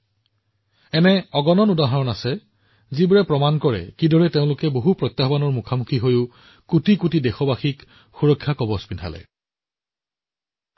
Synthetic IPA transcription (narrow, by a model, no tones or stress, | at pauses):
ɛnɛɔɡɔnɔnudaɦɔɹɔnasɛ | zibaɹɛpɹɔmankɔɹɛ̰kidɔɹɛteʊ̃lʊkɛboɦupɹɔt̪jaɦbanɔɹmukʰamukʰiɦojʊ | kutikutidɛxɔbaxik | xuɹɔkʰːjakɔbɔspinʰa̰lɛ̰